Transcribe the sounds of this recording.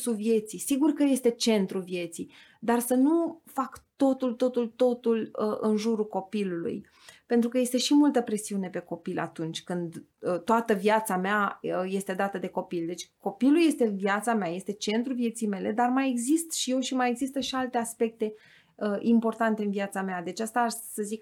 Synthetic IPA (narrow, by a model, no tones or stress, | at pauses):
suvje̞t̪sisiɡurkəje̞st̪e̞t͡ʃe̞nt̪ɾuvje̞t̪si | d̪arsənufakt̪o̞t̪ult̪o̞t̪ult̪o̞t̪uləɨnʒuɾuko̞pilulṵj | pe̞nt̪ɾukəje̞st̪e̞ʃimult̪əpɾe̞siune̞pe̞ko̞pilʔa̰t̪unt͡ʃʲkɨnd̪ət̪oat̪əvjat̪sameaje̞st̪e̞d̪at̪əd̪e̞ko̞pild̪e̞t͡ʃʲko̞piluje̞st̪e̞viat̪sameaje̞st̪e̞t͡ʃe̞nt̪ɾuvije̞t̪sijme̞le̞d̪armaje̞ɡzist̪ʃije̞wʃimajeɡzist̪əʃialt̪e̞aspe̞k̚t̪e̞ | əʔimpo̞rt̪ant̪e̞ɨnviat̪samead̪e̞t͡ʃast̪aʃsəzik